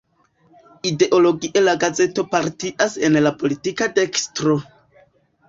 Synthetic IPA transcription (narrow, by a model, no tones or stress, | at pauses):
ide̞ʔo̞lo̞ɡiʔe̞laɡaze̞to̞paɾtiʔase̞nlapo̞litikate̞kstɾo̞